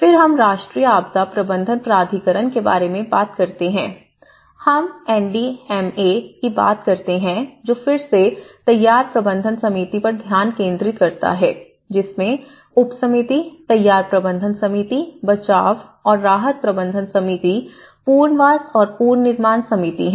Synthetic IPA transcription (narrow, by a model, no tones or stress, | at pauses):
fɪɾɦɐmɾaːʃʈɾiːjəaːb̚d̪apɾɐbə̃nd̪ʱənpɾaːd̪ʱikəɾənkeba̰ːɾemẽbaːt̪kɐɾt̪eɦɛ̰̃ː | hɐmɛːnɖiɛmekiba̰ːt̪̚kɐɾt̪eɦɛ̃d͡ʒoːfɪɾset̪ɐjːaːɾpɾɐbə̃nd̪ʱənsɐmiːt̪ipɐɾd̪ʱjaːnkẽːnd̪ɾɪt̪̚kɐɾt̪a̰ɦɛː | d͡ʒɪsmẽ | ʊpsɐmit̪it̪ɐjːaːɾpɾɐbə̃nd̪ʱənsɐmit̪ibɐt͡ʃaːʋɔːɾːaːɦət̪̚pɾɐbə̃nd̪ʱənsɐmit̪i | puːɾnʋaːsɔːɾpuːɾnɪɾmaːnsɐmit̪ḭɦɛ̃